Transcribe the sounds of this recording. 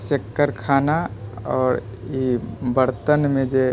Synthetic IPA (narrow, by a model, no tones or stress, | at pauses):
sekːəɾkʰaːnaɔːɾ | ibəɾt̪ənmẽd͡ʒe